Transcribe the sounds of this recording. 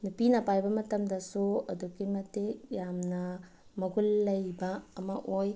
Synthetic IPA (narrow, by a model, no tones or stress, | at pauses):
nupinɐpajbɐmɐtɐmdɐsuɐduɡimɐtejamnɐ | mɐɡulːɐjbɐːmɐʔoj